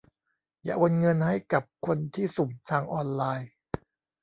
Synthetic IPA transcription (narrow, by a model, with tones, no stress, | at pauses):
ja̰ː˨˩wo˧nŋɤ˧nha˥˩jka˨˩p̚kʰo˧nt̪ʰiː˥˩su˨˩mt̪ʰaː˧ŋʔɔː˧nlaː˧j